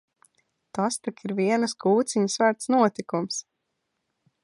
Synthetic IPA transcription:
t̪ast̪ikiɾviɛnɨskuːt̪siɲusvæɾt̪snuɔt̪ikums

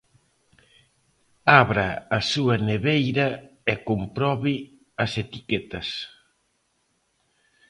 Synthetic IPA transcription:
aβɾaːsuɐneβejɾɐekompɾɔβi | ɐset̪ikɛt̪ɐs

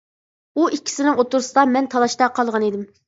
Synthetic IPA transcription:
uʔikʲʰːi̥sɪnɪŋot̪uɾsɨd̪ɑmɛnt̪ʰɑlˠɑʃt̪ɑqʰɑlˠʁɑned̪ɪm

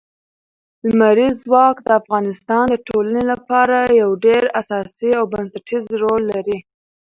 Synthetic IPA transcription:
lmaɾizwɑkd̪əafɣɑnɪst̪ɑnd̪əʈʰolanelapɑɾajawɖeɾasɑsiawbansaʈʰizɾolːaɾi

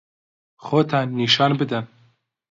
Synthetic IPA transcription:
xoːt̪ʰɑnːiːʃɑːnbɨd̪ɛn

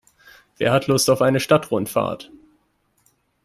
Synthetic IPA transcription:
v̥ḛːɐhatʰlʊstaʊfʔaɪnəʃtatʁʊntfa̰ːɐt

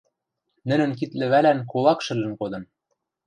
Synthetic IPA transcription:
nɘ̆nɘ̆nkit̪lɘ̆βælænkolˠɑkʃɘ̆lɘ̆nkod̪ɤ̆n

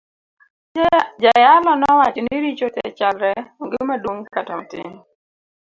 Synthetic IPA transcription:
d͡ʒajalɔnɔwat͡ʃɔnɪɾit͡ʃotɛ̰t͡ʃalɾɛoŋɡɪmadwoŋkatamatɪ̰ŋ

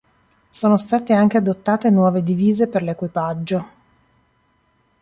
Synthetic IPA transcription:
soːnost̪aːt̪eaŋk̟ead̪ot̪ːaːt̪enwɔːved̪iviːzeperlekwipad͡ʒːo

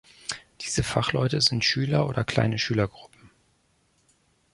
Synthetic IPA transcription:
d̥iːzəfaχlɔʏtəzɪntʃyːlɐʔoːdɐkl̥a̰ɪnəʃyːlɐɡʁʊpm̩

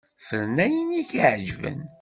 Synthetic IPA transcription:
fəɾnæjəniçiʕd͡ʒvə̰n

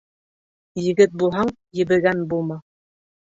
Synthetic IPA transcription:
jɘ̆ɡɘt̪̚bulˠɦɑɴ | jɘ̆bɘ̆ɡænbulˠmɑ

